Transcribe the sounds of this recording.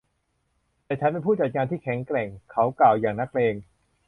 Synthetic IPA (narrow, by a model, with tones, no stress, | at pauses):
t̪ɛː˨˩t͡ɕʰa˦˥npe˧npʰuː˥˩t͡ɕa˨˩t̪̚ŋaː˧nt̪ʰiː˥˩kʰɛ˩˦ŋkɾɛ˨˩ŋkʰa˦˥wklaː˨˩wjaː˨˩ŋna˦˥k̚leː˧ŋ